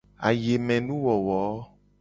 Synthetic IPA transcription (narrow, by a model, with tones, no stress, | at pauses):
a̰˨je˨mɛ̃˨nũ˦wɔ˨wɔ˨˦